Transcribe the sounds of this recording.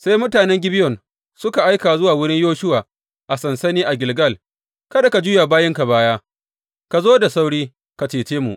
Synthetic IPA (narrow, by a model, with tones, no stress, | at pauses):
sa˦jmʊ˦taː˨nɛ˦ŋɡʲɪ˦bɪ˦jɔ˨n | sʊ˦ka˨ʔa˦jkaː˨zʊ˦waː˨wʊ˦ɽɪ˦ɲjoː˦ʃʊ˦waː˨ | ʔa˨sɐ˨nsɐ˦niː˦ʔa˨ɡʲɪ˨lɡɐ˦˨l | kɐ˦da˨ka˨d͡ʒuː˦ja˨baː˦jɪ˦ŋka˨baː˦jaː˦ | ka˨zoː˦da˨sa˦wɽiː˦ | ka˨t͡ʃeː˨t͡ʃeː˦mṵ˨ʔ